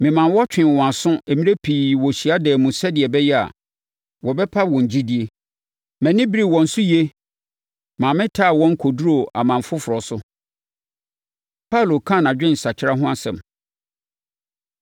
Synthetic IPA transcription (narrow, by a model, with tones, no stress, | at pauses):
mɪ̃˨mã˨nwɔ˦t͡ɕᶣɪ̃˨wɔ̃˨a˨sʊ̃˦e˨mĩ˦ɾe˦pʰiː˨wɔ˨ɕi˨a˦dɛ˨mũ˨sɛ˦dɪ˨ɛ˨bɛ˦jɛ˦a̰˨ | wɔ˨bɛ˦pʰa˦wɔ̃˨ɲ˨d͡ʑi˦di˨e˦ | mɛ̃˨nɪ̃˦bɾi˦˨wɔ̃˨n̩˨sʊ˦je˦ | mãː˨mɪ̃˦tʰa˦˨wɔ̃˦ŋ̩˦kʰo˨du˦ɾo˨a˨mã˨m˨fʊ˦fʊ˨ɾɔ˨sʊ˦ | pʰa˦˨lo˨kʰã˦˨n˨ã˨d͡ʑᶣɪ̃˦n̩˨sa˨t͡ɕʰɪ˦ɾa˦ɦʊ̃˦a˨sɛ̰̃˨m